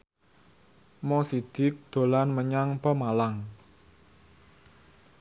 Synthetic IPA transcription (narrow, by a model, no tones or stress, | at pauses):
mɔsid̪̥ɪ̤k̚d̪̥o̤lanməɲaŋpəmalaŋ